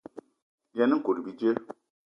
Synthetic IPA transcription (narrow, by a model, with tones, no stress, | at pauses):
jɛ˦ni˦ŋ̩˦ko˨ɾi˨bi˦d͡ʒe˦